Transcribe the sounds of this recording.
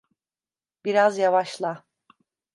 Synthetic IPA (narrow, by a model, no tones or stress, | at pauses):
biɾazjavaʃlˠa